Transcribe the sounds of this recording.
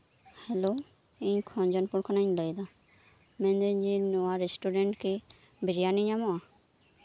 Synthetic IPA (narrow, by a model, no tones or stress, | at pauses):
hɛlo | iɲkʰɔ̃nd͡ʒɔnpuɾkʰanaɲləjd̪a | mɛ̃nd̪eɲd͡ʒinɔwaɾesʈuɾeɳʈki | biɾijaniɲamɔa